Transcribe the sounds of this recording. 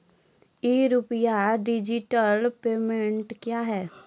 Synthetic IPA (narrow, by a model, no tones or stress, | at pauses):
eɾʊpjaɖɪd͡ʒɪʈəlpeːmẽɳʈkjaːɦɛː